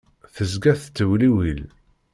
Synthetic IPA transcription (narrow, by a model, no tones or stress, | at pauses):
θəzɡæθt͡s̪ːəwliwil